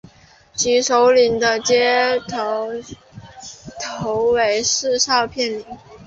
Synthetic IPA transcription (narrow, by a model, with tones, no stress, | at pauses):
t͡ɕi˧˥ʂo˧˥ʊli˧˥ŋd̪ə˧t͡ɕjɛ˥t̪ʰ | t̪ʰo˧˥ʊwe˧˥ɪʂɻ̩˥˧ʂɑ˥˧ʊpʰjɛ˥˩nli˧˥ŋ